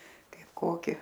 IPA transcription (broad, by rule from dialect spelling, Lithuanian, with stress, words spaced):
ˈkɐɪp ˈkoːkʲɪ